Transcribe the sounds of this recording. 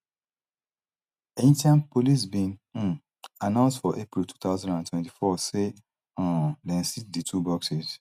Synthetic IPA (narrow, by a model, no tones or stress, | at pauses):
ẽntiãnpolis̬bĩnũn | anãʊ̃nsdfɔʔepɾiltu̥ːt̪aʊzãndãntwɛ̃ntifɔse | ɔ̃dɛ̃nsit̚ditʰubɔksez